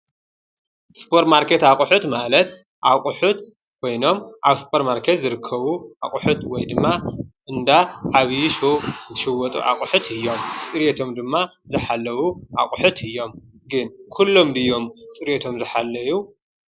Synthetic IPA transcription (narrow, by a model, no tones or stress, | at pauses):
spʰoɾt̪maɾkʰe̞t̪akʼʊħut̪malɐt̪ | ʔakʼʊħut̪ | kʰo̞jno̞mʔaβspʰoɾtmaɾkʰe̞t̪zɨɾɨkʰːɐβuʔa̰kʼʊħut̪wɔjd̪ɨmːaʔɨnd̪aʕaβjiʃozɨʃɨwɔt̪ʼṵʔa̰kʼʊħut̪ʰɨjːo̞mt͡sʼɨɾjet̪ʰo̞md̪ɨmːazɨħalːɐwuʔa̰kʼʊħut̪ʰɨjːo̞m | ɡɨnkʰulːo̞mbɨjːo̞mt͡sʼɨɾjet̪ʰo̞mzɨħalːɐju